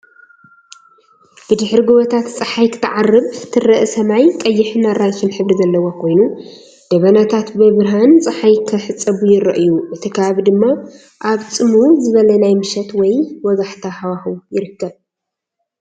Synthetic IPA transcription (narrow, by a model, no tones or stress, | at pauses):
b̥ɨd̪ɨħɾiɡoβɔt̪ʰat̪t͡sʼɨħajkʰɨ̥t̪ʰːɨʕarːɨβt̪ʰɨrːɐʔɨsɐmajkʼɐjːɪħɨnaɾajkʰinħɨβɾizɐlːɐwokʰo̞jnu | d̪̥ɐβɐnat̪ʰat̪bɨβɾɦant͡sʼɨħajkʰɐħɨt͡sʼːɐβujɪɾɐʔjuʔɨt̪ʰikʰɐβaβid̪ɨmːa | ʔaβt͡sʼɨmuzɨβɐlɐnajmɨʃɛt̪wɔjwɔzaħt̪ʰahawaxujɪɾɨkʰːɐβ